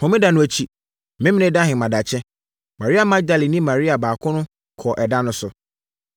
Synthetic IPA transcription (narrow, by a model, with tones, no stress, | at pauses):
hɔ̃˨˦mɪ̃˦da˨nʊ̃˨æ˨t͡ɕʰi˨ | mɪ̃˦mɪ̃˦nɪ̃˦da˦ɦɪ̃˨mã˨da˨t͡ɕʰɛ̃˦ | mã˨ɾi˦a˨mã˦d̪a˨li˨nĩ˦mã˨ɾi˦a˨baː˨kʰʊ̃˦nʊ̃˦ | kʰɔ˨ʔɛ˨da˦nʊ̃˦sʊ˨